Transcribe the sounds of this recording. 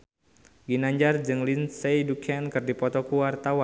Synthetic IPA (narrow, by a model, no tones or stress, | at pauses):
ɡinaɲd͡ʒard͡ʒɨŋlinsejdukʰankɨrdipɔt̪ɔkuwart̪awa